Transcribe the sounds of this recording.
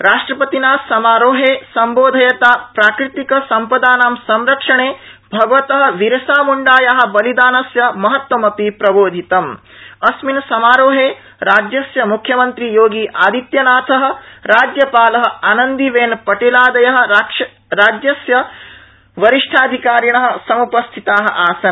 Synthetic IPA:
ɾaːʂʈɾɐpɐt̪inaːsɐmaːɾoːɦeːsɐmboːd̪ʱɐjɐt̪aːpɾaːkɾit̪ikɐsɐmpɐd̪aːnaːmsɐmɾɐkʂɐɳeːbʱɐɡɐʋɐt̪ɐɦɐ̆ʋiɾɐsaːmuɳɖaːjaɦɐ̆bɐlid̪aːnɐsjɐmɐɦɐt̪wɐmɐpipɾɐboːd̪ʱit̪ɐm | ɐsminsɐmaːɾoːɦeː | ɾaːd͡ʒjɐsjɐmukʰːjɐmɐnt̪ɾijoːɡiːʔaːd̪ʱit̪jɐnaːt̪ʰɐɦɐ̆ɾaːd͡ʒjɐpaːlɐɦɐ̆aːnɐnd̪iʋeːnpɐʈelaːd̪ɐjɐɦɐ̆ | ɾaːd͡ʒjɐsjɐ | ʋɐɾiʂʈʰaːd̪ʱikaːɾjɐɳɐɦɐ̆sɐmupɐst̪ʰit̪aːɦɐ̰̆ʔaːsɐn

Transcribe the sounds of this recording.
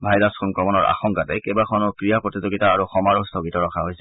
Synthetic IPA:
bʱajɹaskʰɔnkɹɔmɔnɔɹa̰xɔŋkatɛ̰kɛbakʰɔnɔkɹijapɹɔtizoɡitaːɹuxɔmaɹɔstʰɔɡitɔɹɔkʰaɦojsɛ

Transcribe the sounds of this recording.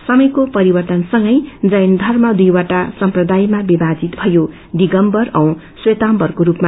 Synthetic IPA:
sʌmʌjkopʌɾibʌrt̪ʌnsʌŋɡʌjd͡zʌjnd̪ʱʌrmʌd̪ujwaʈasʌmprʌd̪ajmabibad͡zit̪bʱʌjo | d̪iɡʌmbʌrʌw̃ | swet̪ambʌrkoɾupma

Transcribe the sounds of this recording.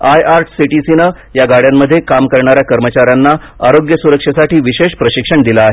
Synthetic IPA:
ajaɾʈsiʈisinə | jaɡaɽjamːəd̪ʱːjekamkəɾɳaɾjakəɾmət͡ɕaɾjanːa | aɾoɡjəsuɾəkʂəsaʈiːʋiɕeɕpɾəɕikʂəɳd̪ilaːɦe

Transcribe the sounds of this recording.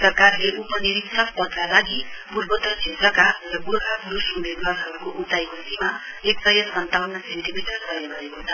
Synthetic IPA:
sʌrkarleʔupʌniɾik̪sʰʌkpʌd̪̚kalaɡipurbʌt̪ʌt͡sʰet̪rʌkarʌburɦapuɾusumed̪waɾɦʌɾukoʔut̪ajkosima | eksʌjʌsʌnt̪awnʌsenʈimiʈʌrɡʌjʌbʱʌekoɦnʰa

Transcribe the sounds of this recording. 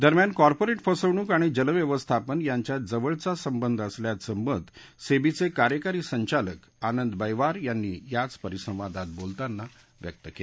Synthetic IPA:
d̪əɾmjankɔɾpoɾeʈfəsəʋɳ̃uːkaɽ̃id͡ʑələʋjeʋəst̪ʰapənjaɲt͡ɕjad͡zəʋəɭt͡sasəmbənd̪ʱəsljat̪səmbəd̪ʱ | sebit͡sekaɾjəkaɾiːsəɲt͡ɕalək | anənd̪bəjʋaɾjanːiːjat͡spəɾisə̃w̃ʋad̪at̪̚bolt̪anːa | ʋjə̰k̚t̪əkel

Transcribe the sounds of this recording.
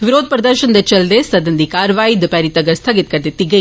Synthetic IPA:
ʋiɾoːd̪̚pɾɐd̪əɾʃɐnd̪ɐt͡ʃɐld̪esɐd̪ɐnd̪ikaːɾʋaːjid̪pɐɾit̪ɐɡɐɾst̪ʰɐɡit̪kɐɾd̪it̪ːiɡɐ

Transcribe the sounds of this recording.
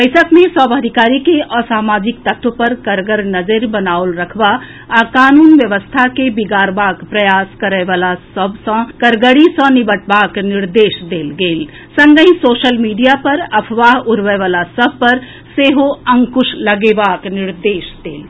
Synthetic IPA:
bəɪsəkmẽsɔːbad̪ʱikaːɾikeʔɔsaːmaːd͡ʒɪk̚t̪ət̪ʰwəpɐɾkəɾɡəɾnəd͡ʒəɾbənaːolɾəkʰʋa | akaːnuːnʋjəʋəst̪ʰakebiɡaːɾbaːkpɾəjaːskəɾɛʋaːlasəbsə̃kəɾɡəɽisə̃nibəʈbaːknɪɾd̪eːʃd̪eːlɡeːl | sə̃ŋɡəĩsoːʃəlmiːɖijapɐɾɐpʰʋaːɦʊɾʋɛʋaːlasəb̚ʱpɐɾ | seːɦoə̃ŋkʊʃləɡebaːknɪɾd̪eːʃd̪eːl

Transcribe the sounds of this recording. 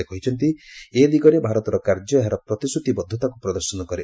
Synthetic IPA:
ekɔɦit͡ʃʰɔnt̪̬ielikɔɾebʱaɾɔt̪ɔɾɔkaɾd͡ʒɔɦaɾɔpɾɔt̪isut̪ibɔd̪ʱːɔt̪akupɾɔd̪ɔɾsɔnɔkɔɾe

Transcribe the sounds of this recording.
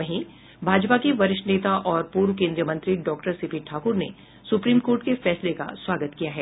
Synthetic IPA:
ɐɦĩ | bʱaːd͡ʒpakeʋɐɾɪʃʈneːt̪aʔɔːɾpuːɾʋəkẽːnd̪ɾjəmɐ̃nt̪ɾiɖɔːkʈəɾsɪpʰiːʈʰaːkʊɾne | sʊpɾiːmkoːɾʈkefɛːsleka̰swaːɡət̪kijaɦɛː

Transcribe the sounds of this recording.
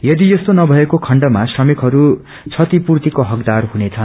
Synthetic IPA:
jʌd̪ijʌst̪onʌbʱʌekokʰʌɳɖʌmasrʌmikɦʌɾu | t͡sʰʌt̪ipurt̪ikoɦʌkd̪arɦunet͡sʰʌn

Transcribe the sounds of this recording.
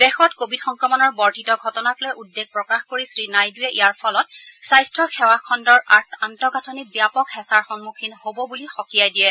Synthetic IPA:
d̥ɛxɔtkobʱidxɔŋkɹɔmɔnɔɹbɔɹtitɔɡʱɔtɔnaklɛʔudːeɡ̚pɹɔkaxkoɹisɹinajduɛʔijaɹpʰɔlɔtsajstɹɔxɛwakʰɔndɔɹaɹtʰantɔkatʰɔnibjapɔkhɛsaɹxɔŋmukʰinhobɔbulixɔkijajdijɛ

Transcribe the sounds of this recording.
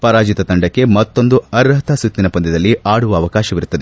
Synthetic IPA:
pɐɾaːd͡ʒit̪ɐt̪ɐɳɖɐkːe̞mɐt̪ːo̞nd̪uɐɾɐɦɐt̪ʰɐsut̪ːinɐpɐnd̪id̪ɐlːiʔaːɽuʋɐːʋɐkaːʃɐʋiɾut̪ːɐd̪e

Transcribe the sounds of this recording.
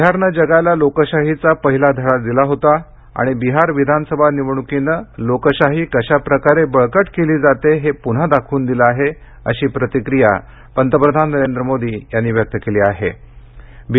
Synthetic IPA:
ɦaɾnəd͡ʑəɡalalokəɕaɦit͡sapəɦilad̪ʱəɭad̪ilaɦot̪a | a̰ɽ̃ibiɦaɾʋid̪ʱanəsəbʱaniʋɳ̃ukinəlokəɕaɦiːkəɕapɾəkaɾebəɭkəʈkeliːd͡zat̪eɦepuɽ̤ad̪akʰuːnd̪iləaɦe | ə̰ɕiːpɾət̪ikɾija̰ | pənt̪əpɾəd̪ʱanːəɾend̪ɾəmod̪ʱiːjanːiːʋjək̚t̪əkeliːaɦe | b

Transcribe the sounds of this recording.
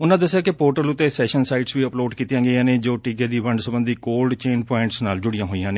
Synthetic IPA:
ʊnãːd̪əsːjaːkɪpoːɾʈəlʊt̪ːeːsɛːʃənsaːiʈsʋiːəploːɖkiːt̪jãːɡəjãːnẽːd͡ʒoːʈiːɡeːd̪iːʋəɳɖsəbə̃nd̪iːkoːlɖt͡ʃeːnpɔːɪ̃ɳʈsnaːld͡ʒʊɽɪjãːɦoːijãːneː

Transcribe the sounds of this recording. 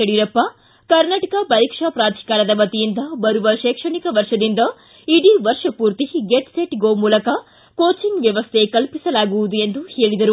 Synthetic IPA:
eɽiɾɐpːɐ | kɐɾnaːʈɐkɐbɐjkʂɐpɾaːd̪ʱi̥kaːɾɐd̪ɐʋɐt̪ijind̪ɐbɐɾuʋɐʃɛːkʂɐɳikɐʋɐɾʂɐd̪ind̪ɐ | iɽiʋɐɾʂɐpuːɾt̪iɡeʈseʈɡoːmuːlɐkɐ | koːt͡ʃiŋɡʋjɐʋɐst̪ʰe̞ːkɐlpisɐlaːɡuʋud̪ue̞nd̪uhe̞ːɭid̪ɐɾu

